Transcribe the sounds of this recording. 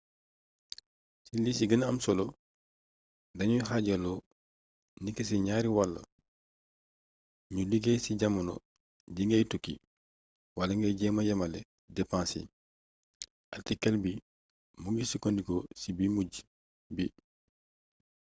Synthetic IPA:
silisiɡɐnɐmsɔlɔ | dɐɲuhaɟɐlɔ | nikːes̬iɲaːɾiwalːɐ̰ | ɲuliɡesiɟamɐnɔ̰ | ɟiŋɡɛjtukːḭ | walɐŋɡɛjɟɛmajɐmɐlɛ | dɛpãːsḭ | ʔatikːɛlbi | muŋɡisikondikosibimuɟ | bi

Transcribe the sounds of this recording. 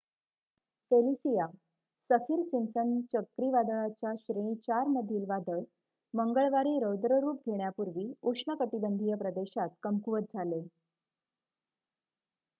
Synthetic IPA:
felisija | səfiːɾsimsənt͡ɕəkɾiʋad̪əɭat͡ɕjaɕɾẽit͡ɕaɾməd̪ʱiːlʋad̪əɭ | məŋɡəɭʋaɾiːɾəwd̪ɾəɾuːp̚ɡʱeɳjapuɾʋiːukʂɳəkət̪ibənd̪ʱijəpɾəd̪eɕat̪kəmkuʋət̪̚d͡zʱale

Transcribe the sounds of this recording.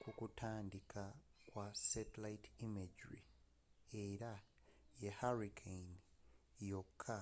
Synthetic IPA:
kukutʰaːndikʰakwasetilaitimeɟɹi | eɾa | jehaɾikʰejnijo̞kʰːa

